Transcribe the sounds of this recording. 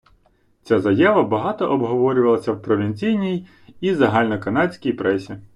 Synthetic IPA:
t͡sʲazɐjaʋɐbɐɦɑt̪ɔʔɔbɦɔʋɔɾʲʊʋɐlˠɐsʲɐwpɾɔʋʲinʲt͡sʲijnʲij | izɐɦɑlʲnɔkɐnɑt͡sʲkʲijpɾɛsʲi

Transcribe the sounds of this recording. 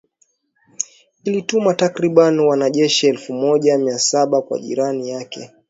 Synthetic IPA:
ilitumatakɾiɓaniwanaʄɛʃiɛlfumɔʄamiasaɓakwa̰ʄḭɾanijakɛ

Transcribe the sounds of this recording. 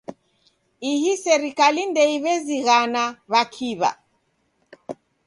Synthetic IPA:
ihisɛɾikalindɛiβɛziɣanaβakʰiβa̰

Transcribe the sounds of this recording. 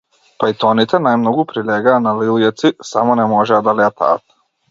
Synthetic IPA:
pait̪onit̪ɛnajmnoɡupɾilɛɡanaliljat̪sisamonɛmoʒɛad̪alɛat̪ʰa̰ːt̪

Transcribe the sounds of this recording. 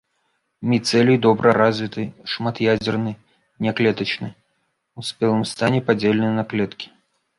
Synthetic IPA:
mʲit̪sɛlʲijd̪ɔbɾʔɐɾazʲvʲit̪ɨʂmat̪jad͡zʲɛrnɨ | nʲaklʲɛt̪ɐt͡ʃnɨ | usʲpʲɛlˠɨmst̪anʲɛpad͡zʲelʲnɨjɐnɐklʲɛt̪kʲi̥

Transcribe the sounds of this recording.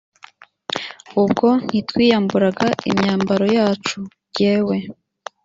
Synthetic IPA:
ub̚ɡo̞n̥hitwiːjambuɾaɡaḭmɲaːmbaɾo̞jaːt͡ʃu | ɟe̞ːwe̞

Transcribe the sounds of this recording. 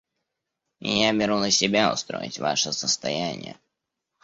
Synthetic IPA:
m̰ʲjabʲɪɾunəsʲɪbʲaʊ̰st̪ɾo̰jɪ̰tʲva̰ʂəsəst̪ɐjanʲɪ̰jə̰

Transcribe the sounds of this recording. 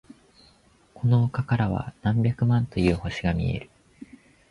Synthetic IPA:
kʰo̞no̞ːkakaɾaβ̞a̰nãmbʲjakɯ̟mãnt̪o̞jɯ̟ːho̞ɕiɡamʲḭe̞̰ɾɯ̟̥

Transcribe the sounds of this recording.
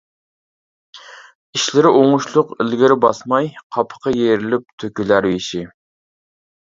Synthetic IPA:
iʃlɪɾɪʔoŋʊʃlˠʊqɪlɡʲɪɾɪbɑsmɑjqʰɑpʰə̥qʰɑjeɾɪlɪp̚t̪ʰøkʲylæɾwiʃi

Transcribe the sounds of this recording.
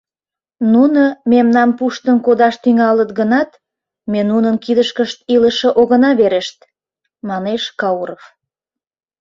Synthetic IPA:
nunəmemnɑmpuʃt̪ənkod̪ɑʃt̪yŋɑlət̪ɡənɑt̪ | menunənkid̪əʃkəʃt̪iləʃə̆ʔoɣənɑβeɾeʃt̪ | mɑneʃkɑuɾof

